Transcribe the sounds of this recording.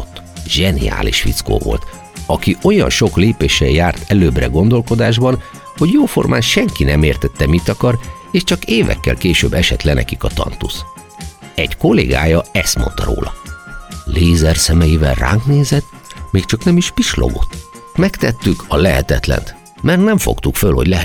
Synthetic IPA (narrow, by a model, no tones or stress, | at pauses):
t̪ː | ʒ̥ɛnḭa̰ːliʃfḭt̪sko̰ːvo̞̰lt̪ | ɒkio̞jɒ̰nʃo̞kleːpeːʃɛjjaːrt̪ʰɛløːbrɛɡo̞nd̪o̞lko̞d̪aːʒbɒn | ho̞ɟjoːfo̞̰rmʔaːnʃɛŋkinɛmeːrt̪ɛt̪ːɛmit̪ɒkɒr | eːʃt͡ʃɒkeːvɛ̰kːɛ̰lkeːʃø̰ːbːɛʃɛt̪lɛnɛ̰kikɒt̪ɒ̰nt̪us | ɛɟko̞lːḛːɡa̰ːjɒɛst̪mo̞̰nt̪ɒɾo̰ːlɒ | leːzɛrsɛmɛjivɛlra̰ːŋkneːzɛt̪ | meːkt͡ʃɒknɛmiʃpiʃlo̰ɡo̞t̪ | mɛkt̪ɛt̪ːykʰɒlɛɦɛ̰t̪ɛt̪lɛ̰nt̪ | mɛrt̪nɛɱfo̰kt̪ukfølho̞ɟlɛ